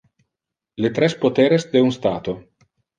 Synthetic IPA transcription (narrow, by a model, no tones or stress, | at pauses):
let̪ɾɛspot̪eːɾesd̪eunst̪aːt̪o